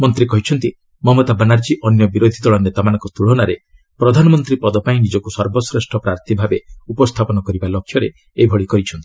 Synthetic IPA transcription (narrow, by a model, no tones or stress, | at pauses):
mɔnt̪ɾikɔɦit͡ʃʰɔnt̪i | mɔmɔt̪abanaɾd͡ʒiʔɔnjɔbiɾod̪ʱid̪ɔɭɔnet̪amanɔ̃ŋkɔt̪uɭ̤ɔnaɾe | pɾɔd̪ʱanɔmɔnt̪ɾipɔd̪ɔpaĩnid͡ʒɔkusɔɾbɔsɾesʈʰɔpɾaɾt̪ʰibʱabeupɔst̪ʰapɔnɔkɔɾibalokʰːjɔɾe | ebʱɔɭikɔɾit͡ʃʰɔnt̪i̥